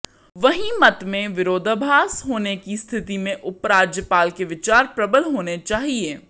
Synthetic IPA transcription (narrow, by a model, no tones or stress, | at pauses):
ʋɐɦĩmɐt̪mẽʋɪɾoːd̪ʱbʱaːsɦoːnekist̪ʰɪt̪imẽʔʊpɾaːd͡ʒjəpaːlkeʋɪt͡ʃaːɾpɾɐbəlɦoːnet͡ʃaːɦieː